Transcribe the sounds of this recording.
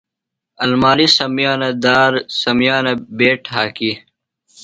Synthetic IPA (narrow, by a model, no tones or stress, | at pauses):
ɐlmaːlisɐmjaːnɐd̪aːɾsɐmjaːnɐbeːʈɦaːki